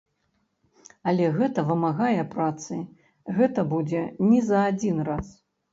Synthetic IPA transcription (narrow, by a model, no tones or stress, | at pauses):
ɐlʲɛɣɛt̪ɐvɨmaɣajɛpɾat̪sɨj | ɣɛt̪ɐbud͡zʲɛnʲɛzɐːd͡zʲinras